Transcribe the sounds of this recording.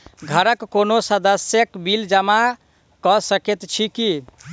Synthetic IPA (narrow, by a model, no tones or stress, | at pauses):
ɡʱəɾəkːonosəd̪əsjəkbild͡ʒəma | kɔsəket̪t͡ʃʰiki